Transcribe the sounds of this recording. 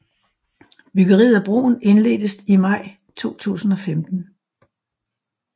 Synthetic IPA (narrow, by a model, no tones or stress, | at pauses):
b̥yɡ̥əʁḭːæb̥ʁo̝̰ːn̩e̝nle̝̰ːd̥əsimɑ̈ɪ̰ | t͡sʰo̝̰ːt͡sʰṵːsn̩ɒ̽femd̥n̩